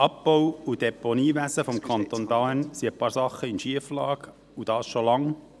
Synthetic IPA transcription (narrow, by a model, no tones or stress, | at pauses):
ʔɑp̚b̥ɔwud̥ɛponiːvæsəfɔmkʰɑnt̪ondɑənsiəpɑːɾsɑχːəɪnʃiəflɑːk | ud̥ɑːsʃolɑŋ